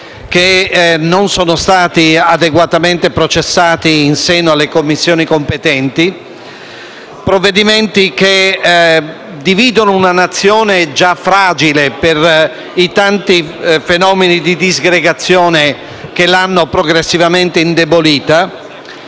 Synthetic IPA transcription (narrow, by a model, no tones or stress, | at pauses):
k̟enːonsoːnost̪aːt̪iad̪eɡwat̪ament̪epɾot͡ʃesːaːt̪iːnseːnoalːekomːisːjoːnikompet̪ɛnt̪i | pɾovːed̪iment̪ik̟e | d̪iviːd̪onounanat̪sːjɔːned͡ʒafːɾaːd͡ʒileper | it̪ant̪ifenɔːmenid̪id̪izɡɾeɡat̪sːjɔːne | k̟elanːopɾoɡɾesːivament̪eind̪eboliːt̪a